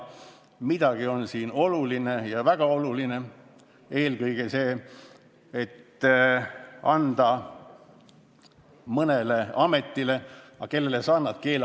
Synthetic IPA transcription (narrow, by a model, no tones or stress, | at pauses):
mid̪̥ɑɡ̥io̞nsiːno̞luline̞jɑvæɡ̥ɑo̞luline̞ | e̞ːlɡɤjɡ̥e̞se̞ː | et̪ː | ɑnd̪̥ɑ | mɤne̞leɑme̞t̪ːile̞ɑke̞lːe̞lesɑːnɑd̪̥̚ke̞ːl